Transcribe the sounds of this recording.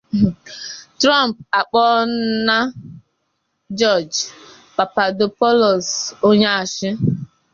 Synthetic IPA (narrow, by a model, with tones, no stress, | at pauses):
tɾa˦m˨pa˨k͡pɔ˦na˦ | d͡ʒɔ˦˨d͡ʒ | k͡pa˨pa˨dʊ˨pɔ˦lɔ˨so˦ɲa˦a˨ʃɪ˦